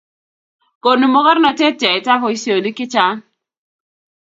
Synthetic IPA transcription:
ko˨nu˨mo˦kɔ˦ɾnɔ˨te˦tɛ˨ɪ˨ta˦fɔ˨i˦sjo˨li˦kɪ˦t͡ʃa˦n

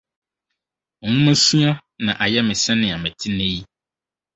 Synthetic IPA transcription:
ŋũ˦mɛ̃˦sũ˦ã˦nã̰˨ʔa˨jɛ˦mɪ̃˨sɛ̃˦nɪ̃˨a˨mɛ̃˨t̪ʰi˦nẽ˦ji˦

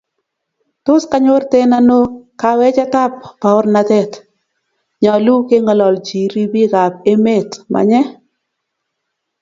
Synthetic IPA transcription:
tʊ˦ska˦ɲo˦rte˦na˦no˦ka˨wɛ˦t͡ʃa˦ta˦p̚pa˨ʊ˦ɾna˨tɛ˦t | ɲɔ˨lu˦ke˦ŋɔ˨lɔ˨ld͡ʒi˨ɾi˦bi˦ɣa˨p̚e˦me˦˨tmʔa̰˨ɲɛ˦

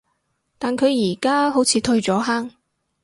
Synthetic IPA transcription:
t̪aː˨nkʰɵ˨˧ɥjiː˨˩kaː˥ɦo˨˥wt͡sʰiː˨˧t̪ʰɵ˧ɥt͡ʃɔː˨˥ɦaː˥ŋ

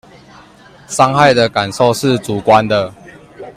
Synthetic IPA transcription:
sɑ˦ŋha˥˨ɪd̪ə˨ka˨˩nso˥˨ʊʂɻ̩˥˨t͡su˨˩˦kwa˦nd̪ə˨

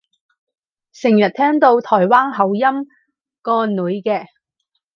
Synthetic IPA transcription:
sɪ˨˩ŋjɐ˨t̚t̪ʰɛː˥ŋt̪o˧wt̪ʰɔː˨˩jwaː˥nɦɐ˨˥wjɐ˥m | kɔː˧nuː˨˥jkɛː˧

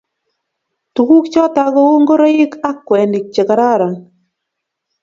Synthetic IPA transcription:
tu˨ku˦k̚t͡ʃɔ˦ta˨ɣo˦o˦ŋɡo˦ɾa˦ɪ˦ka˦kːwɛ˨ndɪ˨k̚t͡ʃe˨ka˨ɾa˦˨ɾa˨

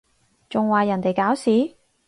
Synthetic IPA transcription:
t͡sʊ˨ŋwaː˨jɐ˨˩nt̪e˨jkaː˨˥wsiː˨˥

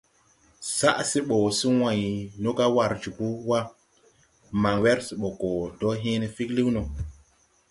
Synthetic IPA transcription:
sa˦ʔsi˦ɓo˨si˦wã˨jno˦ka˦wa˨ɾd͡ʒi˨pu˦wa˦ | ma˨ŋwe˦ɾsi˨ɓo˨ko˨do˦ɦĩ˦ne˨fi˦kli˦wno˨

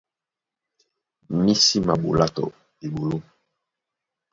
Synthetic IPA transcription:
mi˦si˦ma˨ɓo̰˨la˦tɔ̰˨ | e˨ɓo˨lo˦

